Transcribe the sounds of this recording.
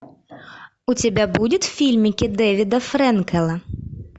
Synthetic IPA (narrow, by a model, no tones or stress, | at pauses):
utʲabʲabudʲɪt̪wfʲilʲmʲikʲɪd̪ɛvʲɪd̪ɐfɾɛnkɛlˠɐ